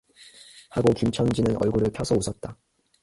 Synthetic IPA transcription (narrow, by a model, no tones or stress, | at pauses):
haɡokumt͡ɕʰʌŋd͡ʑinɯnʌ̰ɭɡuɾɯɭpʰjʌsʰʌusʰʌt̚t͈a